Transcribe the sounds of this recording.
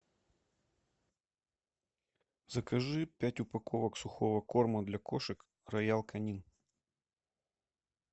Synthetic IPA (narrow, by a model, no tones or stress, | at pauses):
zɐkɐʐɨpʲætʲʊpɐkʰovəksʊxovəkorməd̪lʲɐkoʂɨk | rɐjalˠkʰɐnʲin